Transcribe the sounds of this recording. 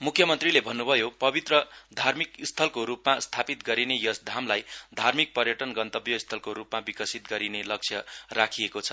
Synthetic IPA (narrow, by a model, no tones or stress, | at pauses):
mukʰjʌmʌnt̪rilebʱʌnːubʱʌjopʌbit̪rʌd̪ʱarmikst̪ʰʌlkoɾupmast̪ʰapit̪ɡʌɾinejʌsd̪ʱamlajd̪ʱarmik̚pʌrjʌʈʌnɡʌnt̪ʌbjʌist̪ʰʌlkoɾupmabikʌsit̪ɡʌɾinelʌk̚t͡sʰjʌrakʰijekot͡sʰʌ